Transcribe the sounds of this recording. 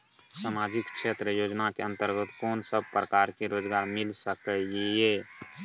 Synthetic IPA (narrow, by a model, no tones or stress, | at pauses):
samad͡ʒikʃʰet̪ɾəjoːd͡ʒnakeə̃nt̪əɾɡət̪kɔːnsəb̚ʱpɾəkaɾkiɾod͡ʒɡaɾmilsəkɛe